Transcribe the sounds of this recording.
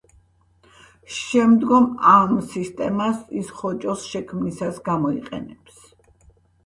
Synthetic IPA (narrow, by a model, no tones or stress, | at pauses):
ʃɛmd̪ɡɔmamsist̪ʼɛmasisχɔt͡ʃʼɔsʃɛkʰmnisasɡamɔiqʼɛ̰nɛps